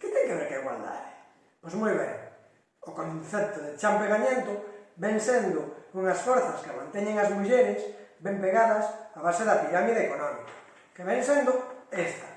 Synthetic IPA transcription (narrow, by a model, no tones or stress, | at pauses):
kɪt̪eŋkeβeɾkeɣwa̰ld̪a̰ðɪ | pozmujβḛŋ | okõnθɛp̚t̪oðet͡ʃampeɣaɲẽnt̪obeŋsend̪ʊuŋasfoɾθaskemã̰nt̪eɲeŋazðiuʃenɪsbempeɣaðɐsaβaseðɐpiɾamiðeekonɔmikḁ | keβeŋsend̪ʊest̪ḁ